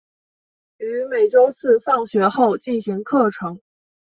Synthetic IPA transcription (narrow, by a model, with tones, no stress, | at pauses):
y˧˥me˨˩ɪʈ͡ʂo˥ʊt͡sʰɹ̩˥˧fɑ˥˩ŋɕɥɛ˧˥xo˥˧ʊt͡ɕi˥˩nɕi˧˥ŋkʰɤ˥˩ʈ͡ʂʰɤ˧˥ŋ